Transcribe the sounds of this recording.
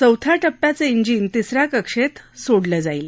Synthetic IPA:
t͡səwt̪ʰjaʈəpːjat͡səiɲd͡ʑiːnt̪isɾakəkʂet̪soɽləd͡zail

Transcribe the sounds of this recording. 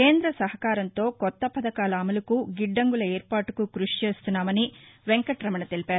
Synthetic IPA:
ke̞ːnd̪ɾɐsɐɦɐkaːɾɐnt̪o̞ːkɔt̪ːɐpɐd̪ɐkaːlɐːmɐlukuɡiɖːɐŋɡulɐeːɾpaːʈu̥kukɾuʂi̥t͡ʃe̞ːst̪unːaːmɐniʋeŋkɐʈɾɐmɐnɐt̪elipaːɾu

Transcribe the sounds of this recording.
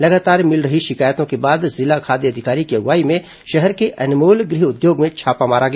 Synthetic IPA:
lɐɡaːt̪aːɾmɪlɾɐɦiʃɪkaːjt̪õkebaːd̪zɪlakʰaːd̪iɐd̪ʱɪkaːɾikiɐɡʋaːimẽ | ʃɛɦɛɾkeʔɐnmoːlɡɾɪɦʊd̪joːɡmẽt͡ʃʰaːpamaːɾaɡɐ

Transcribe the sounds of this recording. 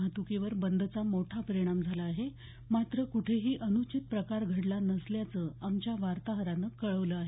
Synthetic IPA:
at̪ukeʋəɾbənd̪ʱət͡samoʈʰapəɾiɽ̃amd͡zʱalaːɦe | mat̪ɾəkuʈʰeɦiːʔənut͡ɕit̪̚pɾəkaɾɡʱəɽlanəsljat͡səːamt͡ɕjaʋaɾt̪aɦəɾanəkəɭəʋləaɦe

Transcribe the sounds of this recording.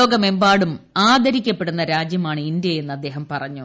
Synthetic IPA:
oːɡɐme̞mbaːɽumaːd̪ʱɐɾikʲːɐpːe̞ɽunːɐɾaːd͡ʑjɐmaːɳɨind̪jɐe̞nːɐd̪ːe̞ːɦɐmpɐrɐɲːu

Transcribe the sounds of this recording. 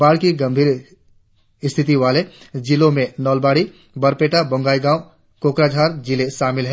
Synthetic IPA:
baːɽkiɡɐ̃mbʱiːɾ | ɪst̪ʰɪt̪̬iʋaːled͡ʒilõmẽnɔːlbaːɽi | bɐɾpeːʈabʊ̃ŋɡaːiɡãːʊ | koːkɾaːd͡ʒʱaːɾd͡ʒɪleʃaːmɪlɦɛ

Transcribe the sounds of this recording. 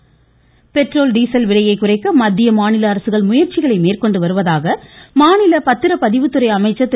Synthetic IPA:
pɛʈroːlɖiːsɐlʋɪɭɐjɐɪkːʊrɐɪkːɐmɐd̪ːɪjɐmaːnɪlɐːɾɐsɯɣɐɭmʊjɐɾt͡ʃɪɣɐɭɐɪmeːrkɔɳɖɯʋɐɾɯʋɐðaːɣɐmaːnɪlɐpɐt̪ːɪɾɐpɐðɪʋɯt̪ːɯɾɐɪɐmɐɪt͡ʃːɐt̪ː

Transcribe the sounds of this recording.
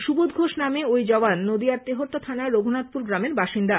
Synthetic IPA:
ʃubod̪ɡʱoʃnameojd͡ʑɔbanːod̪iaɾt̪eɦoɾt̪ːot̪ʰanaɾoɡʱunat̪̚puɾɡɾameɾbaʃind̪a

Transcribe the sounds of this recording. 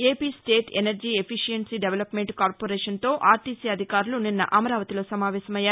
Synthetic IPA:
eːpiːsʈe̞ːʈḛnɐɾd͡ʒiːepʰiʂijɐnsiɖeʋelɐpmeɳʈkaːɾpoːɾeːʂɐnt̪o̞ːʔaːɾʈiːsiɐd̪ʱikaːɾuluninːɐʔɐmɐɾaːʋɐt̪ilo̞ːsɐmaːʋɛːsɐmɐjːaː

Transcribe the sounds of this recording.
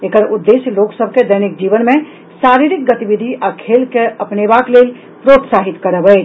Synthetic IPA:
ekəɾud̪ːesloksəbʱked̪əjnik̚d͡ʒiβənme | saɾiɾik̚ɡət̪ibid̪ʱiʔakʰelkeəpnebaklel | pɾot̪saɦit̪kəɾəbəjt͡ʃ

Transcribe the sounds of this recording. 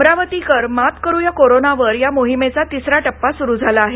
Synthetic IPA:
ɾaʋət̪ikəɾmat̪kəɾujakoɾonaʋəɾjamoɦimet͡sat̪isɾaʈəpːasuɾuːd͡zʱalaːɦe

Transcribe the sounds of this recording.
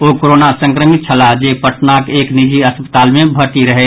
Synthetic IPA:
okoɾonasə̃ŋkɾəmit̪̚t͡ʃʰəlad͡ʒepəʈnakeːknid͡ʒiəspə̥t̪aːlmẽbʱəʈiɾəɦɛ

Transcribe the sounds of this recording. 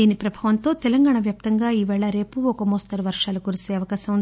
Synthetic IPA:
iːnipɾɐbʱaːʋɐnt̪o̞ːt̪ɛlɐŋɡaːɳɐʋjaːp̚t̪ɐŋɡaːiːʋɛːɭɐɾe̞ːpuɔkɐmoːst̪ɐɾuʋɐɾʂaːlukuɾiseːɐʋɐkaːsɐmun

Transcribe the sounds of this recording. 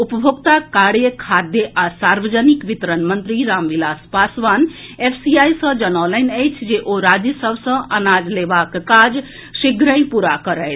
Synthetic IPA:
upəbʱoɡt̪akaɽjəkʰad̪jəʔasaɾʋəd͡ʒənikʋit̪əɾənmənt̪ɾiɾamʋilaspasʋanepʰsiajsə̃d͡ʒənalənəjt͡ʃʰd͡ʒeʔoɾad͡ʒjəsəbʱsə̃ənad͡ʒlebakːad͡ʒ | siɡɾə̃j̃puɾakəɾəjt̪ʰ

